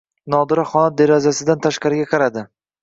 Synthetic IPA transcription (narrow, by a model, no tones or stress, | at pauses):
nɒd̪ɪɾɪχɒnad̪eɾɒzasɪd̪ant̪ʰaʃqɑɾɪɡʲaqʰɑɾad̪ɪ